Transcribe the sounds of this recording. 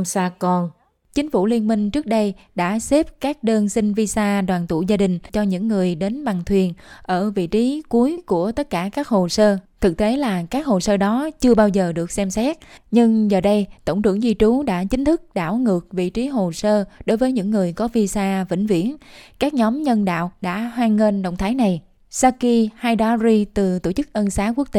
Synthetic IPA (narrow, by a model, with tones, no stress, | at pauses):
msaː˧kɔ˧n | t͡ɕï˨˦ŋ̟fṵ˧˩li˧ənmï˧ŋ̟t͡ɕɨ˦˥ək̚ɗə˧jɗa̰ː˧˥se˦˥p̚kaː˦˥k̚ɗəː˧nsï˧ŋvi˧saː˧ɗwaː˨˩nt̪ṵ˧˩˨zaː˧ɗï˨˩ŋ̟t͡ɕɔ˧ɲɨ̰˧˥ŋːɨ˨˩əjɗe˨˦nɓa˨˩ŋt̪ʰwi˨˩ənʔəː˧˩vḭ˧˨t͡ɕi˨˦ku˨˦əjku˧˩ət̪ə˦˥t̚kaː˧˩kaː˦˥k̚ho˨˩səː˧t̪ʰɨ˨˩k̚t̪e˨˦laː˨˩kaː˦˥k̚ho˨˩səː˧ɗɔ˨˦t͡ɕɨ˧əɓaː˧wzəː˨˩ɗɨ˨˩ək̚sɛ˧msɛ˦˥t̚ɲɨ˧ŋzəː˨˩ɗə˧jt̪o˧˩wŋ͡mt̪ɨ̰˧˩əŋzi˧t͡ɕu˨˦ɗa̰ː˧˥t͡ɕï˨˦ŋ̟t̪ʰɨ˦˥k̚ɗa̰ː˧˩wŋɨ˨˩ək̚vḭ˧˨t͡ɕi˨˦ɦo˨˩səː˧ɗo˨˦jvəː˨˦jɲɨ̰˧˥ŋːɨ˨˩əjkɔ˨˦vi˧saː˧vḭ˧˩ŋ̟vḭ˧˩˨ənkaː˦˥k̚ɲɔ˨˦mɲə˧nɗa̰ː˧˨wɗa̰ː˧˥ɦwaː˧ŋːe˧nɗə̰˧˨wŋ͡mt̪ʰaː˨˦jna˨˩j | saː˧ki˧haː˧jɗa˨˦zi˧t̪ɨ˨˩t̪o˧˩t͡ɕɨ˦˥k̚ʔə˧nsaː˨˦ku˦˥ək̚t̪e˧˨